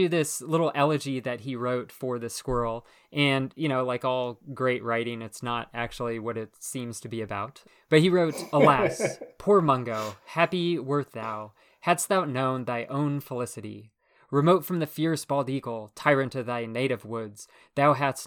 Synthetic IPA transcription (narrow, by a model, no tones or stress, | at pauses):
ɨðɪslɪɾl̩ˠʔɛlˠɨd͡ʒiðɨt̚ɦiɹoʊtfə˞ðɨskwɜ˞l̩ˠ | ʔɨ̃njɨñoʊlaɪkɔlˠɡɹeɪʔ̚ɹaɪɾɪ̃ŋɨtsnəɾæk̚t͡ʃul̩ˠiwʌɾɪtsĩmz̥tʰɨbiɨbaʊt | b̥ʌt̚hiɹoʊt̚əllæspʰuɹmʌ̃ŋɡoʊhæpiwɜ˞t̪̚ðaʊ | hæst̪̚ðaʊnõʊ̃nðaɪʔõʊ̃nfəlɪsɨɾḭ | ɹɨmoʊtfɹʌ̃mðɨfɪɹsb̥ɑlˠdikl̩ˠtʰaɪɹɨ̃ntʰɨðaɪneɪɾɨvwʊdz̥ | ðaʊɦæs